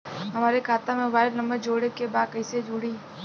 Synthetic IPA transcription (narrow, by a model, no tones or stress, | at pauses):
ɦɐmaːɾekʰaːt̪amẽbaːɪɾnɐməɾd͡ʒoːɽekebaːd̪kɐised͡ʒuːɽiː